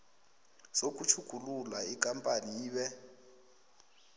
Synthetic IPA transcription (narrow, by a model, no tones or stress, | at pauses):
sok̬ʼut͡ʃʰuɡ̥ʱululaik̬ʼampʼaniiːɓɛ